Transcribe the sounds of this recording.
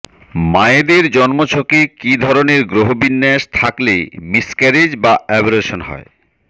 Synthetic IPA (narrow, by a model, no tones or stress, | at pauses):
maed̪eɾd͡ʑɔnmot͡ɕʰokekid̪ʱɔɾoneɾɡɾoɦobinːɛʃt̪ʰaklemiskɛɾed͡ʑbaɛboɾeʃonɦɔ̰e